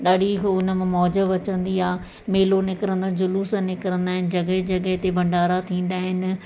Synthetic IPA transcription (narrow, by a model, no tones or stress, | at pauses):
ɗaːɗikʊnə̆mẽmɔːd͡ʑəʋɐt͡ɕə̃nd̪iaː | meːlonɪkɪɾə̃nd̪ãd͡ʑʊluːsənɪkəɾə̃nd̪aːɦɪnɪ̆d͡ʑɐɡəɦd͡ʑɐɡəɦt̪ebʱɐ̃ɳɖaːɾat̪ʰĩːn̆d̪aːɦɪnɪ̆